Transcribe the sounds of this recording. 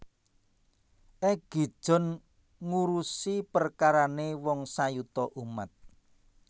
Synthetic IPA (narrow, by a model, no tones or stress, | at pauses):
ʔɛɡ̥i̤d̥ʒ̥ɔ̤n | ŋuɾusipərkaɾanewɔŋsajut̪ɔʔuma̰t̪̚